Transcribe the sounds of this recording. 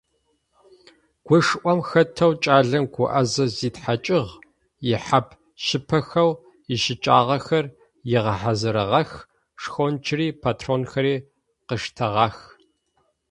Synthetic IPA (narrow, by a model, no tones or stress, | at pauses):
ɡ̥ʷʊʂʔʷɔmxɐtʰɐwt͡ʃʼaːɮɐmɡʷʊʔɐzɐziːtħat͡ʃʼɪʁ | jɪħapʰ | ʃɪpʰɐxɐw | ɪʃɪt͡ʃʼaːʁɐxɐr | jɪʁɐħazɨɾɐʁɐx | ʂxont͡ʃʰɪriːpʰaːtʰroːnxɐɾiː | qəʂtʰɐʁɑːx